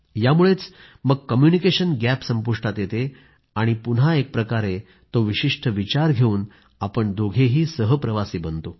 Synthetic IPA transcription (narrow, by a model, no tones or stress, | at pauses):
jamuɭet͡s | məɡ̚kəmjunikeɕənɡæpsəmpuʂʈat̪jet̪e | aɽ̃ipun̤ɦaek̚pɾəkaɾe | t̪oʋiɕiʂʈʰəʋit͡ɕaɾɡʱeuːn | apəɳd̪ʱoɡʱeɦiːsəɦəpɾəʋasiːbənt̪o